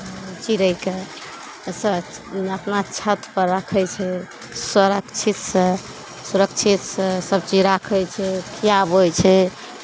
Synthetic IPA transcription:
t͡ʃiɾəjke | səəpnat͡ʃʰət̪pəɾːakʰɛt͡ʃʰɛ | səɾəkt͡ʃʰit̪sə̃ | suɾək̚t͡ʃʰit̪sə̃səb̚t͡ʃiɾakʰɛt͡ʃʰɛkʰijabojt͡ʃʰɛ

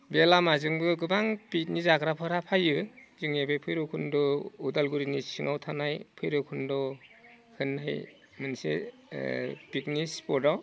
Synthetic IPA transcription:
belamazɯŋbɯɡɯbaŋpit̚nizakɾapʰɯɾapʰajɯzɯŋebejpʰɯjɾɔkʰundɔudalɡuɾinisiŋawtʰanajpʰɯjɾɯkʰundɔ | hɯnːaj | mɯnsḛ | pik̚nispɔdaw

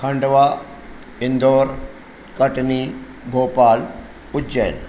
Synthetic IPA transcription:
kʰɐɳɖʋa | ɪnd̪oːɾ | kɐʈni | bʱoːpaːl | ʊd͡ʒeːn

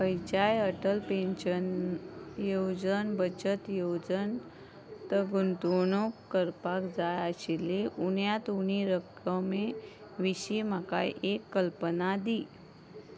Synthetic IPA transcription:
pəjt͡ɕajəʈəlpeɕən | jod͡zənbət͡ɕət̪jod͡zən | t̪əɡunt̪unokːəɾpakd͡zajaɕiliʔuɳjat̪uɽ̃iɾək | əme | ʋiɕimaka̰jʔekːəlpənad̪i

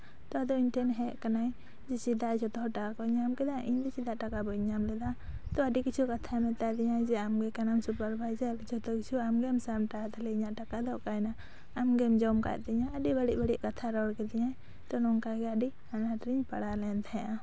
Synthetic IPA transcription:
t̪ɔad̪ɔiɲʈʰɛnɦɛʔkanaj | d͡ʒɛt͡ʃid̪aʔd͡ʒɔt̪ɔʈakakɔɲamkɛd̪aʔiɲd̪ɛt͡ʃid̪aʔʈakabɔɲamlɛd̪a | t̪ɔaɖikit͡ʃʰukat̪ʰamɛt̪ad̪ɛɲajd͡ʒɛamɡɛkanamsupaɾbʱajd͡ʒald͡ʒɔt̪ɔkit͡ʃʰuamɡɛmsamʈat̪alɛiɲaʔʈakad̪ɔʔkajnaː | mɡɛmd͡ʒɔmka̰ʔd̪ɛɲaəɖibəɽiʔbəɽiʔkat̪ʰaɾɔɽkɛd̪ɛɲaj | t̪ɔnɔŋkaɡɛaɖi | anaʈɾiɲpa̰ɽalɛnt̪ʰaʔã

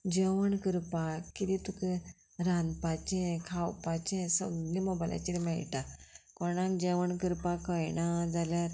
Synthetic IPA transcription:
d͡ʑəʋəɳkəɾpakid̪it̪uke | ɾãnd̪pat͡ɕɛ̃kʰawpat͡ɕẽsəɡlimɔbala̰t͡ɕiɾmɛɭʈakɔɽ̃ãkd͡ʑeʋəɳkəɾpakəjnad͡zaljaɾ

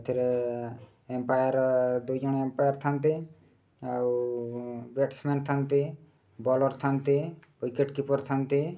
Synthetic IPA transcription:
t̪ʰiɾe | empajaɾd̪ujd͡ʒɔñempajaɾt̪ʰant̪i | aw | beʈsmenʈt̪ʰant̪i | bɔlɔɾt̪ʰant̪i | ɔjkeʈkipɔɾt̪ʰant̪i

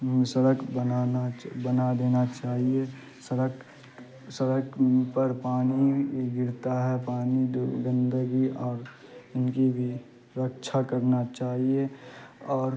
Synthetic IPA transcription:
səɾəkʰbənanabənad̪eːnat͡ʃaːɦie | səɾə | səɾəkpəɾpaːniɡɪɾt̪aɦɛpaːnid̪ɡə̃nd̪əɡiɔːɾɪnkibʱi | ɾəkt͡ʃʰakəɾnat͡ʃaːɦieɔːɾ

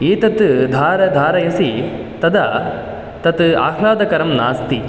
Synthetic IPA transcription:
iːt̪ɐt̪d̪ʱaːɾɐd̪ʱaːɾɐjɐsi | t̪ɐd̪ɐ | t̪ɐt̪a̰ːkʰlaːd̪ɐkɐɾɐmnaːst̪i

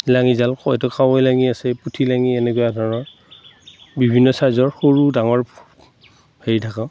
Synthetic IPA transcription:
laŋizalkɔjtɔkʰawɔjlaŋiasɛputʰilaŋiɛnɛkojadʱɔɹnɔ | bibʱinːɔsazɔɹxoɹudaŋɔɹ | heɹitʰakã

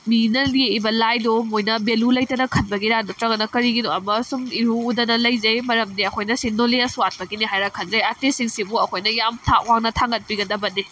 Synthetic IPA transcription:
minɐlebɐlajdomojnɐbelulɐjtɐnɐkʰɐnbɐɡiɾadotɾɐɡɐnɐkɐɾiɡidoɐmɐsumiɾuːdɐnɐlɐjzejmɐɾɐmdiɐkʰojnɐsindoleɐsuat̚pɐɡiniɦajɾakʰɐnzɐjatesiŋsibuɐkʰojnɐjamtʰaʔwaŋnɐtʰaŋɡɐt̚piɡɐdɐbɐni

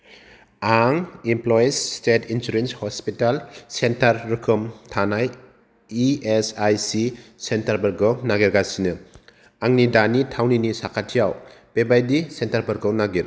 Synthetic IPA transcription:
aŋimplɔjsstetʰinsuɾenshɔspitalsentaɾːɯkʰɯmtʰanaj | iesajsisentaɾbɐɾɡɔwnaɡiɾɡasinɯ | aŋnidanitʰawninisakʰatʰijawb̥ebajdisentaɾbɐɾɡɔwnaɡiɾ

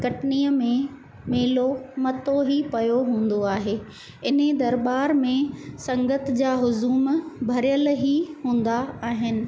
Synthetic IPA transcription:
kɐʈniːəmẽ | meːlomɐt̪oɦipɐjoɦũːn̆d̪oaːɦeː | ɪn̤ed̪ɐɾbaːɾmẽsɐ̃ŋɡət̪d͡ʑaːɦʊzuːmbʱɐɾjəlɦiɦũːn̆d̪aaːɦɪnɪ̆

